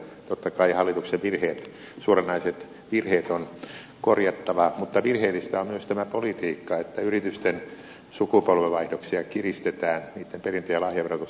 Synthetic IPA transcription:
t̪ot̪ːɑkɑihɑlːit̪ukseʋʋirheːt̪ | suorenːɑiset̪ | ʋirheːt̪on | korjɑt̪ːɑʋɑmut̪ːɑʋirheːlːist̪æommyøst̪æmæpolit̪iːkːɑet̪ːæyrit̪yst̪en | sukupolʋeʋɑihdoksiɑkirist̪et̪æːnniːt̪ːemperint̪øjɑlɑhjɑʋerot̪u

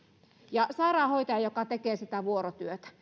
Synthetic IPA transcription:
jɑsɑirɑːhoit̪ɑjɑjokɑt̪ekeːsit̪æʋuorot̪yøt̪æ̥

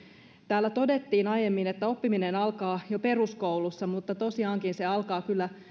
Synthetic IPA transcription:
t̪æːlːæt̪o̞de̞t̪ːiːnɑjemːinet̪ːæo̞pːiminenɑlkɑːjope̞ruskoulusːɑmut̪ːɑt̪o̞siɑːŋkinseɑlkɑːkylːæ

